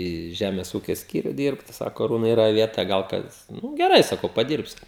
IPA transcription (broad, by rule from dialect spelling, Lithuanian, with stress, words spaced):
iː ˈʒʲæmʲɛs ˈuːkʲɛ ˈsʲkʲiːrʲʊ ˈdʲiːrpt ˈsɑːkoː ɐˈruːnɐɪ iːˈrɐ ˈʋʲiɛtɐ ˈɡɐlˠ ˈkɐs nʊ ɡʲɛˈrɐɪ sɐˈkɐʊ pɐˈdʲiːrʲpʲsʲʊ